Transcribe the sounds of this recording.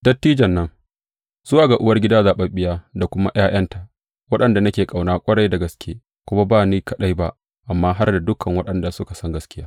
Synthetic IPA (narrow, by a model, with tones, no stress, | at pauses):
d̥ɐ˦tːiː˦d͡ʒɐ˨nːɐ˦ŋ | z̥ʊ˦waː˨ɡa˨ʔʊ˦wɐ˦rɡʲɪ˦daː˦zaː˨ɓɐ˦mɓɪ˦jaː˦da˨kʷʊ˦ma̰˦j̰aː˦j̰ɐ˦nta˨ʔ | wɐ˦ɗɐ˨nda˨nɐ˦kʲeː˨kʼa˨wnaː˦kʷʼɐ˦ɽɐ˦jda˨ɡɐ˨skʲʰeː˦ | kʷʊ˦ma˦baː˦˨niː˦kɐ˦ɗa˦jba˦ʔ | ʔa˨mːaː˦ɦa˦rda˨dʊ˦kʰɐ˨ŋwɐ˦ɗɐ˨nda˨sʊ˦ka˨sɐ˦ŋɡɐ˦skʲɪ˦jaː˦